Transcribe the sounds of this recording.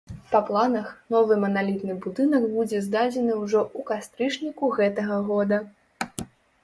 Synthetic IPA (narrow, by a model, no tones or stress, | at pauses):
pɐplˠanɐxnɔvɨmɐnalʲit̪nɨbud̪ɨnɐɡbud͡zʲɛzd̪ad͡zʲɛnɨwʐɔʔukast̪ɾɨt͡ʂnʲikuɣɛt̪ɐɣɐɣɔd̪ɐ